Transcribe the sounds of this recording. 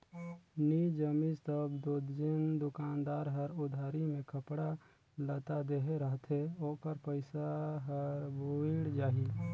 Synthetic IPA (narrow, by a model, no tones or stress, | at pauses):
nid͡ʒəmist̪əbd̪oːd̪d͡ʒɪnd̪ʊkaːnd̪aːɾɦəɾʊd̪ʱaːɾimẽkʰəpɽa | lət̪ad̪eːɦeɾəɦət̪ɦɛoːkəɾpəɪsaɦəɾbuɪɽd͡ʒaːɦi